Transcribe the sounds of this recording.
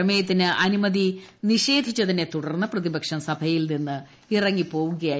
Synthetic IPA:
ɐmɐjɐt̪ːinɨʔɐnimɐðiniʂe̞ːd̪ʱit͡ɕːɐðinːe̞t̪uɽɐrnːɐprɐðibɐkʂɐmsɐbʱɐjilninːɨ | irɐŋːipo̞ːʋuɣɐjaː

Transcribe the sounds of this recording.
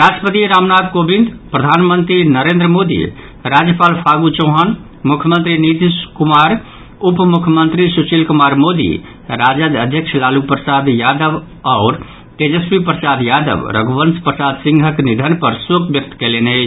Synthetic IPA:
ɾaʈəpət̪iɾamnad̪kobĩnd̪pɾəd̪ʱanmənt̪ɾinəɾend̪ɾəmod̪ḭ | ɾad͡ʒjəpaːlpʰaɡut͡ʃõɦən | mukʰjəmənt̪ɾinid̪iskumaɾ | upmukʰjəmənt̪ɾisut͡ʃilkumaɾmod̪ḭ | ɾad͡ʒəd̪əd̪ʱjəkʃʰlalupɾəsad̪jad̪əʋ | aːɾ | ked͡ʒespipɾəsad̪jad̪ə̰ʋɾə̰ɡbənspɾəsad̪sĩŋɡʱəknid̪ʱənpəɾsokbjək̚t̪kelenet͡ʃʰ

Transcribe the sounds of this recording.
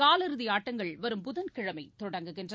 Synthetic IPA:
kaːlɐɾɯðɪjaːʈːɐŋɡɐɭʋɐɾɯmpʊðɐnkɪɻɐmɐɪt̪ːɔɽɐŋɡɯkɛndr

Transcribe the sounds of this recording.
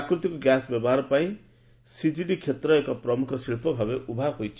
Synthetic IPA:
akɾut̪ikoɡjasbjebarpaĩ | sid͡ziɖikʰet̪rʌekaprʌmukʰʌsiɾpʰʌbʱʌbeubʱaɦojt͡sʰ

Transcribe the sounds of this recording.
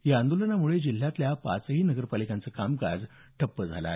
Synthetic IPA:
jaənd̪olənamuɭed͡ʑil̤jat̪ljapa̰t͡səɦiːnəɡəɾpalikãnt͡səkamka̰d͡z | ʈʰəpːəd͡zʱala̰e

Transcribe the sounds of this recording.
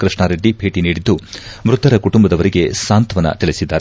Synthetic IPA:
kɾɨʂɳaːɾeɖːibʱe̞ːʈiniːɽid̪ːumɾut̪ːɐɾɐkuʈumbɐd̪ɐʋɐɾiɡe̞saːnt̪ʋɐnɐ̰t̪elisid̪ːaːɾe

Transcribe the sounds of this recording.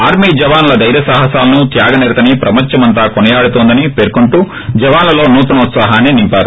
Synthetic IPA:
aːɾmid͡ʒɐʋaːnlɐd̪ɐjɾɐsaːɦɐsaːlɐnut̪jaːɡɐneːɾt̪ɐnipɾɐmɐɲt͡ʃːɐmɐnt̪̬aːkonɐjaːɽut̪oːnd̪ɐnipeːɾkuɳʈu | d͡ʒɐʋaːnlɐlo̞ːnuːt̪ɐnɐut̪saːɦaːnenimpaːɾu

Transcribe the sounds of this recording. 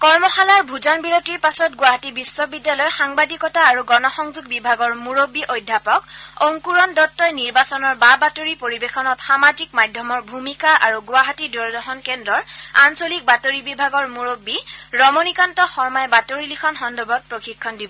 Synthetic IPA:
kɔɹmɔxalaɹbʱuzɔnbiɹotiɹpasɔt̚ɡʊaɦatibisːɔbidːalɔjxaŋbadikɔtaːɹuɡɔnɔxɔŋzuɡ̚bibʱaɡɔɹmuɹobiʔojdʱapɔkoŋkuɹɔndɔtːɔjniɹbasɔnɔɹbabatoɹipoɹibexɔnɔtxamazikmadʱjɔmɔɹbʱumikaʔaɹuɡʊaɦatidɔɹdɔɦɔnkendɹɔɹansolik̚batoɹibibʱaɡɔɹmuɹobːiɹɔmonikantɔxɔɹmajɛbatoɹilikʰɔnxɔndɔbʱɔt̚pɹoxikʰːɔndibɔ

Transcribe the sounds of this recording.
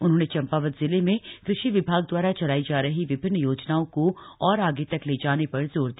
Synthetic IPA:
ʊnɦõːnet͡ʃɐ̃mpaːʋət̪zɪlemẽkɾɪʃiʋɪbʱaːɡ̚d̪waːɾat͡ʃɐlaːid͡ʒaːɾɐɦiʋɪbʱɪnːjoːd͡ʒnaːõko | ɔːɾaːɡet̪ɐkleːd͡ʒaːnepɐɾzoːɾd̪i

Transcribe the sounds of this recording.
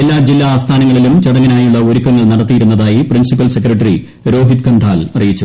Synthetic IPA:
elːaːd͡ʑilːaːst̪ʰaːnɐŋːɐɭilumt͡ɕɐɽɐŋːinaːjuɭːɐoɾukːɐŋːɐɭnɐɽɐt̪ːijiɾunːɐðaːjiprinsipːɐlsekrɐʈːɐri | ɾo̞ːɦit̪kʰɐɳɖʰʱaːlɐrijit͡ɕːu

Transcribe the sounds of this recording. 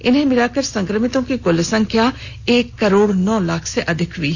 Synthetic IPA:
ɪnẽːmɪɾaːkəɾsə̃ŋkɾəmɪt̪õkiɡʊlesə̃ŋɡkjaː | eːkːəɾoːɽnɔːlakʰseʔɐd̪ʱɪkʰʋiː

